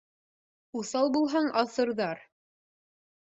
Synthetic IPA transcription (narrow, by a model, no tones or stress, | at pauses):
uθɑlˠbulˠɦɑɴɑθɤ̆ɾðɑɾ